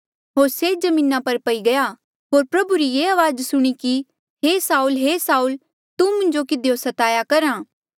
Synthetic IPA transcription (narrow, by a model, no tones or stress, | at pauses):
ɦoːɾsed͡ʒɐmĩːnapɐɾpɐiɡɐja | ɦoːɾpɾɐbuɾijeːaʋaːd͡ʒsʊɽ̃iki | ɦeːsaːulɦeːsaːul | t̪umʊ̃nd͡ʒokɪd̪ejosɐt̪aːjakɐɾãː